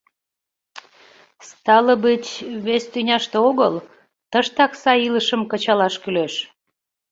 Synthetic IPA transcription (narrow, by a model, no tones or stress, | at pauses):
st̪ɑləbit͡ɕβest̪ynʲɑʃt̪eoɣəl | t̪əʃt̪ɑksɑiləʃəmkət͡ɕɑlɑʃkyleʃ